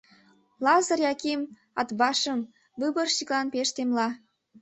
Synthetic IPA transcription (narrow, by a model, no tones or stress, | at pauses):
lɑzərjɑkem | ɑt̪βɑʃəm | bɨβərʃiklɑnpeʃt̪emlɑ